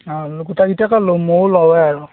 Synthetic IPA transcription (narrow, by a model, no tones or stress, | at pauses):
aɡutaɡitakalomoɹlɔwɛaɹu